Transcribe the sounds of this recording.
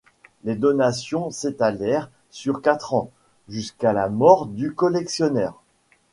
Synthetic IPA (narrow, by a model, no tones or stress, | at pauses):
led̪ɔnasjɔ̃set̪alɛʁ | syʁkat̪χɑ̃ | ʒyskalamɔʁd̪ykɔlɛksjɔnɛːʁ